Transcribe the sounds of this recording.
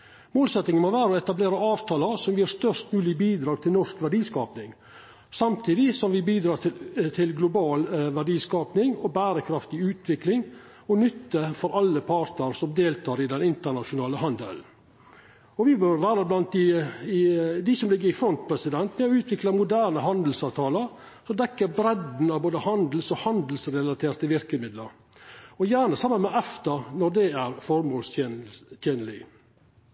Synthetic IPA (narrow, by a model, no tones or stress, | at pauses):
moːlsɛt̪nɪŋənmoʋæːɾəɔɛt̪ɑbleːɾəɑːʋt̪ʰɑːləsɔmʋɪhɑst̪œʂt̪mʉːlɪbiːd̪ɾɑːɡ̚t̪ʰɪlnɔʂkʋæɖiːskɑːpnɪŋ | sɑmt̪ʰiːd̪ɪsɔmʋɪbiːd̪ɾɑːt̪ʰɪlɡlʊbɑːlʋæɖiːskɑːpnɪŋɔbæːɾəkʰɾɑft̪ɪʉːt̪ʰʋɪklɪŋ | ɔnʏt̪ːəfɔɾɑlːəpʰɑːɾt̪nəɾsɔmd̪eːlt̪ʰɑːɾɪd̪ɛnɪnt̪əɳɑʃʊnɑːləhɑnd̪ə̰ln̩ | ɔʋɪbœɾʋæːɾəblɑnt̪̚ɪ | d̪ɪsɔmlɪɡːəɾɪfɾɔnt̪̚pʰɾɛsɪd̪ɛnt̪mɛɔʉːt̪ʰʋɪklɑmʊd̪æːɾnəɦɑnd̪l̩sɑːʋt̪ʰɑːləɾ | sɔmd̪ɛkːəɾbɾɛd̪n̩ɑʋboːd̪əhɑnd̪l̩sɔhɑnd̪l̩sɾɛlɑt̪ʰeːɾt̪əʋɪɾkəmɪd̪ləɾ | ɔjæːɾɳəsɑmːənmɛʔɛft̪ɑnɔd̪ɛæɾfɔɾmoːlst̪ʰeːnəlɪ